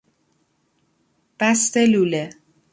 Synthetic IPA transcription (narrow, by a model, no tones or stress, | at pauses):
b̥æst̪eluːle